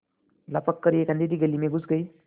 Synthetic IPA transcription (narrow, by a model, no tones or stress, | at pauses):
lapəkːəɾiekand̪id̪iɡəlːimeɡʱusɡəj